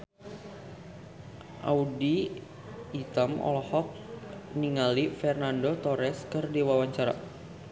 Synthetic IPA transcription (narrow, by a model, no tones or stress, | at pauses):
ʔa̰udiː | t̪əmɔ̰lɔhɔk̚niŋalifɛrnandot̪oɾɛskərdiwawaɲt͡ʃaɾa̰